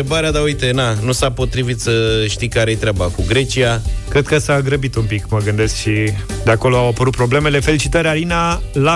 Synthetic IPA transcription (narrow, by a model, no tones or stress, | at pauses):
ebaɾead̪aujt̪e̞nanusapo̞t̪ɾivit̪səʃt̪ikaɾejet̪ɾeabakuɡɾe̞t͡ʃiakɾe̞d̪̚kəsaɡɾəbit̪umpikməɡɨnd̪e̞skʃi | d̪eako̞lo̞awapəɾut̪̚pɾo̞ble̞me̞le̞felit͡ʃit̪əɾealinala